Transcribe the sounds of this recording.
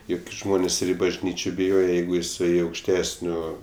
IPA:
ˈjʊk ɡʲɪ ˈʒmoːnʲeːs ɪr ɪ bɐʒʲˈnʲiːt͡ʃʲoː bʲɪˈjoːjɛ ˈjɛɪɡʊ jɪˈsɐɪ ɐʊkʃʲˈtʲæːsʲnʲoː

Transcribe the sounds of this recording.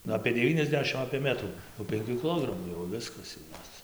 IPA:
nʊ ɐpʲeː dʲɛˈʋʲiːnʲɛzʲˌdʲæːʃʲɪm ɐpʲeː ˈmʲæːtruː jɛʊ pʲɛŋʲˈkʲuː kʲɪˈlˠoːɡrɐmuː jɛʊ ˈʋʲɪskɐs jɛʊ ˈjoːs

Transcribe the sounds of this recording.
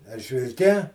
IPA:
ɛrʲʒʲʋʲɪlʲˈkʲɛ

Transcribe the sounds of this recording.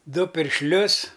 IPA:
ˈdʊ pʲɪrʲʃʲˈlʲʊs

